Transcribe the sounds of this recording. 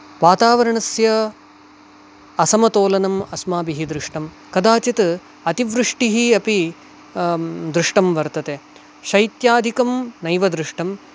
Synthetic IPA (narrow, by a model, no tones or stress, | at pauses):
ʋaːt̪aːʋɐɾɐɳɐsjɐ | ɐsɐmɐt̪oːlɐnɐmɐsmaːbiɦid̪ɾɪʂʈɐm | kɐd̪aːt͡ʃit̪ | ɐt̪iʋɾɨʂʈiɦiɐpi | d̪ɾɪʂʈɐmʋɐɾt̪ɐt̪e | ʃɐjt̪jaːd̪ʱikɐmnɐjʋɐd̪ɾɪʂʈɐm